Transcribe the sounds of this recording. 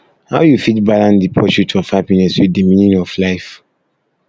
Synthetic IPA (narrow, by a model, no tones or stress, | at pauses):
haʊjufitbalãndipʰɔʃutʰɔfhapinɛsɹidimĩnjɔ̃nɔflaɪf